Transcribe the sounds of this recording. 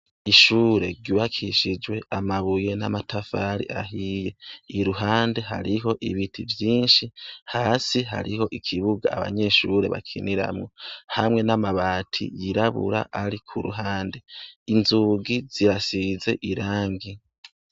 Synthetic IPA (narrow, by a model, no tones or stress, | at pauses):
iʃuːɾe̞ɾɡɟuwakʰiʃid͡ʒwe̞amaβuje̞namatʰafaɾḭʔaɦije̞iɾuɦaːnde̞ɦa̰ɾiɦo̞ʔiβitʰivjiːnʃihaːsiɦa̰ɾiho̞ʔikʰiβuɡa̰ːβa̰ɲe̞ʃuːɾe̞̰βa̰kʰiniɾa̰mŋohamŋe̞namaβaːtʰḭjiɾaβṵɾa̰ʔaɾikʰuɾṵɦaːnde̞inzuɡiz̥iɾasize̞ʔiɾaːŋɡi